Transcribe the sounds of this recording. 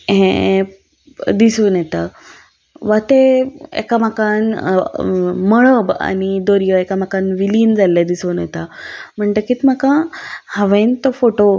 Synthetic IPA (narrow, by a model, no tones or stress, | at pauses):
ɦẽ | d̪isənjɛt̪a | ʋat̪eḛkamakan | məɭəba̰ñid̪oɾjəekamakanʋiliːnd͡zalːad̪isənjet̪am̤əɳʈ̪əkiːt̪m̤akãhaʋẽnt̪ofoʈo